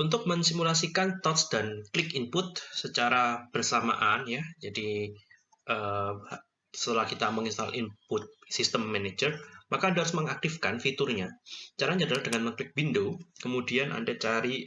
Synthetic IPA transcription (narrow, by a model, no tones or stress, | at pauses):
unt̪ʊk̚məŋsimulasikant̪ɔt̪sd̥anklɪkimpʊt̪̚sət͡ʃaɾab̥ərsama̰ʔanjad͡ʒadi | ʔəː | sət̪əlahkit̪aməŋist̪a̰lʔimpʊt̪̚sist̪əmːɛned͡ʒərmakadaɦaɾsməŋak̚t̪ifkanfit̪ʊrɲat͡ʃaɾaɲd͡ʒadaladəŋanməŋklɪk̚bindukəmudianʔa̰ndat͡ʃaɾi